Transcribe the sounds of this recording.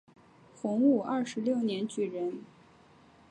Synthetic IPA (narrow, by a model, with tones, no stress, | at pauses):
fʊ˧˥ŋu˥˩ʔɐ˥˩ʂɻ̩˧˥ljo˥˩ʊnjɛ˧˥nt͡ɕy˥˩ɻə˧˥n